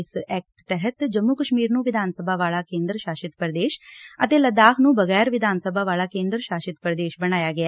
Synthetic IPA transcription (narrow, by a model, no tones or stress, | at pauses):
sɛːk̚ʈt̪ɛɦət̪d͡ʒəmːukəʃmiːɾnũːʋɪd̪ʱaːnsəbʱaːʋaːlaːkẽːnd̪ɾʃaːʃɪt̪pəɾd̪eːʃət̪eːləd̪aːkʰnũːbəɣɛːɾʋɪd̪ʱaːnsəbʱaːʋaːlaːkẽːnd̪ɾəʃaːʃɪt̪pəɾd̪eːʃbəɽ̃aːjaːɡɪa